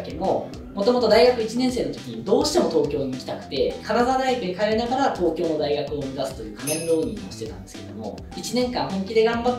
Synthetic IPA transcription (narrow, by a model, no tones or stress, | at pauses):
kemo̞ | mo̞t̪o̞mo̞t̪o̞d̪aiɡakɯ̟it͡ɕinẽ̞ɰ̃se̞ːno̞t̪o̞kʲiɲid̪o̞ːɕi̥t̪emo̞t̪o̞ːkʲo̞ːɲ̟ikʲi̥t̪akɯ̟̥t̪e̞kaɾad̪ad̪aibɯekaeɾɯnaɡaɾat̪o̞ːkʲo̞ːno̞d̪aiɡakɯ̟omezasɨ̥t̪o̞jɯ̟ːkamẽnɾoːɲ̟ḭ̃ŋ̃o̞̰ɕi̥t̪e̞t̪ã̰nd̪e̞sɨ̥ke̞d̪o̰mo̞̰ | it͡ɕinẽ̞ŋkãɰ̃hõ̞ŋkʲid̪e̞ɡãmba